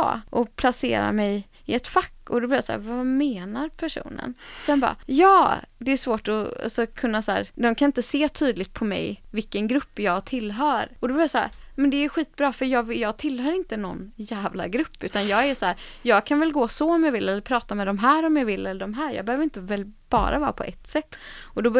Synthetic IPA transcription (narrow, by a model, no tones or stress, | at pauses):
ʔɔpʰlasḛːɾa̰mɛj | ɪɛt̪fakːɔd̪ɔblɪːjasa̰ːɾvameːnaɾpʰæʂṵːnə̰nsɛnbɑ̰ːjɑːd̪ɛːʂvoːʈɔa̰sɔkʰɵnːasæ̰ːɾd̪ɔmkʰanɪnt̪əseːt̪ʰyːd̪lɪt̪̚pʰɔmɛ̰jvɪkːənɡɾɵpːjɑːɡt̪ʰɪlːɦœːɾɔd̪ɔbjasæ̰ɾmɛnd̪ɛɧiːt̪̚bɾɑːfœɾjɑːɡvjɑːɡt̪ʰɪlːhœːɾɪnt̪ənɔ̰nːjæːvla̰ɡɾɵpːʉ̟ːt̪anjɑːɡæsæːɾjɑːɡ̚kʰanvɛlɡoːsɔɔmjɑvɪlːɛlːəɾpʰɾɑːt̪amɛd̪ɔmɦæːɾɔmjɑvɪlːɛlːəɖɔmɦæːɾjɑ̰ɡbɛhøːvɾɪnt̪əvɛlːb̥ɑ̰ːɾʔa̰vɑ̰ːpʰɔʔɛt̪ːsɛt̪ːɔd̪ɔb